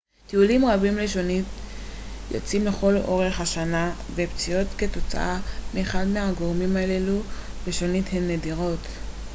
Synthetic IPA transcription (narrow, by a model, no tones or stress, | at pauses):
teulimʁabimleʃonit | jo̰t͡simle̞χo̞lo̞ʁe̞χhaʃana | vept͡sijo̞t̪ke̞to̞t͡sa̰ʔameːχadmeɦaɡo̞ʁmimalelu | veʃonithemnːediʁo̞t̪